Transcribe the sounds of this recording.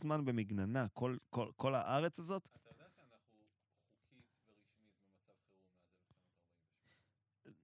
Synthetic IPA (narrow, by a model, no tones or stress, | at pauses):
zmanbe̞miɡnanakʰo̞lkolko̞la̰ʔaʁe̞t͡sazo̞t̪d̪anaχu | χukʰitveʁiʃmibemat͡savχeunzelamoaʁbaim